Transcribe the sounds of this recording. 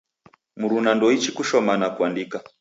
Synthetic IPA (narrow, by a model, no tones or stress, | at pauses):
muɾunandɔit͡ʃikuʃɔmanakuandika